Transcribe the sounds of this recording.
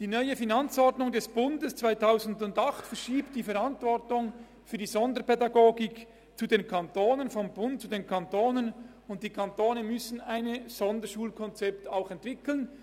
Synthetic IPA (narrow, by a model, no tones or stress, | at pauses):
d̥iːnœʏəfinɑnt͡sɔɾdnʊŋdɛsb̥ʊndəst͡sv̥aɪtaʊzn̩dʊndɑχtfɛʃiːptd̥iːfɛʁɾɑntvɔɾtʊŋ | fyːɐdiːzɔndəpɛdɑɡoːɡɪk | t͡sudeːnkʰɑntoːnənfɔmbʊnt̚t͡sudeːnkʰɑntoːnən | ʊnt̚d̥iːkʰɑntoːnəmʏsn̩aɪnz̥ɔndəʃuːlkʰɔnt͡sɛptaʊxɛntv̥ɪkl̩n